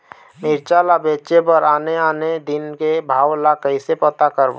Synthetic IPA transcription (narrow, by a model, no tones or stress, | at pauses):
mɪɾt͡ʃalabeːt͡ʃepəɾaːneaːned̪ɪnkebʱaːwlakəisepət̪akəɾb